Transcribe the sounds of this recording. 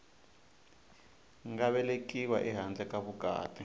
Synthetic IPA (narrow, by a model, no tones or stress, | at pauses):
ŋɡaβɛlekiwaʔiɦand͡ɮɛkaβuɡ̥ʱa̰ːtʼi